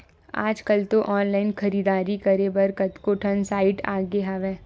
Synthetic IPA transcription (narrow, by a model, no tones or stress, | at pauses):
a̰ːd͡ʒkɐlt̪oʔɔːnlaːɪnxɐɾiːd̪aːɾikɐɾebɐɾkɐt̪koːʈʰənsaːɪʈa̰ːɡeɦaːʋɛ̃ː